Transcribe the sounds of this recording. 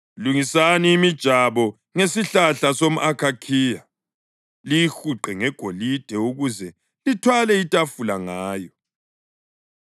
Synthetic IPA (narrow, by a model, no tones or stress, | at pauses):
luŋisaniːmid̥ʒ̥ʱaβɔ | ŋesiɬaɬasom̩ʔakʰakʰiːja | lijixuǃɛŋɛɡ̥ʱolid̥ʱɛuɣuzɛ | litʰwalɛitʼafulaŋaːjɔ